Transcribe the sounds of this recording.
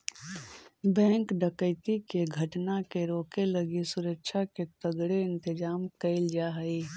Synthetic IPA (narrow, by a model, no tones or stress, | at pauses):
bɛ̃ːŋkɖəkəɪt̪ikeɡʱəʈnakeɾoːkeləɡisʊɾəkʃʰaket̪əɡɽeɪnt̪ɪd͡ʒaːmkəɪld͡ʒaɦəi